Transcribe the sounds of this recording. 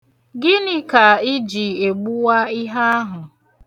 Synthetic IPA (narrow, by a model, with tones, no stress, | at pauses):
ɡɪ˦nɪ˦ka˨ɪ˦d͡ʒi˨e˨ɡ͡bu˦wa˦i˦ɦa˦a˦ɦʊ˨